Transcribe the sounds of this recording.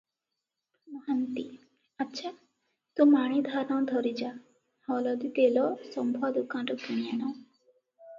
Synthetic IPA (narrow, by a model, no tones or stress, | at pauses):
mɔɦant̪i | ətːʃʰa | t̪ũmaɽ̃id̪ʱaɾnɔ̃d̪ʱɔɾid͡ʒa | hɔlɔd̪it̪elɔsɔmbʱɔd̪ukãnɾɔkiɽ̃ijanɔ̃